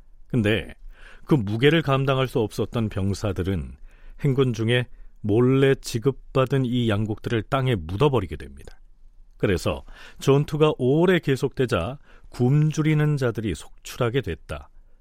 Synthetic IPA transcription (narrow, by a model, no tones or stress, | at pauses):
kɯnde̞kɯmuɡe̞ɾɯɭkamdaŋɦaɭs͈uʌp̚s͈ʌt̚t͈ʌnpjʌŋsʰadɯɾɯnhe̞ŋɡund͡ʑuŋe̞moɭːe̞t͡ɕiɡɯp̚p͈ːadɯnijaŋɡuk̚t͈ɯɾɯɭt͈aŋe̞mudʌbʌɾiɡe̞dwe̞mɲidakɯɾe̞sʰʌ̰t͡ɕʌntʰuɡaʔoɾe̞ke̞sʰok̚t͈we̞d͡ʑakumd͡ʑuɾinɯnd͡ʑadɯɾisʰo̥k̚t͡ɕʰuɾɦaɡe̞dwe̞t̚t͈a̰